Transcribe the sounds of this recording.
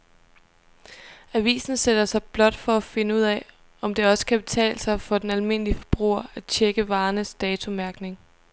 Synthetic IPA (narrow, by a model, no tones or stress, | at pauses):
æʋḭːsn̩sed̥ɐsɑ̈ɪb̥lɒ̽d̥fɒ̽æfe̝nəuð̰ˠɛ | ɒ̽md̥e̝ɒ̽sə̥kʰæb̥e̝t͡sʰɛ̰ːlsɑ̈ɪfɒ̽d̥enælme̝n̰əliəfɒ̥b̥ʁṵːɐæ̥t͡ɕʰeɡ̥əʋɑ̈ːnəsd̥ɛːt͡sʰomæɐɡ̥ne̝ŋ